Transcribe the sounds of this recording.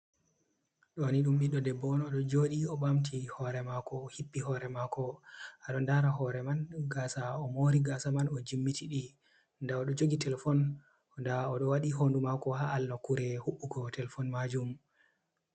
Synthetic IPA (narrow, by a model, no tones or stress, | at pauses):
ɗɔniɗumɓiɗɔdɛbɔnɔɗɔd͡ʒoɗiɔɓamtʰihɔɾɛmakɔhipːiɦɔɾɛmakɔaɗɔndaɾaɦɔɾɛmanɡasaɔmoɾiɡasamanɔd͡ʒimːitiɗi | ndaɔɗɔd͡ʒoɡitɛlɛfɔn | ndaɔɗɔwaɗiɦondumakɔɦaalnɔkːuɾɛhuɓːuɡɔtɛlɛfɔnmad͡ʒum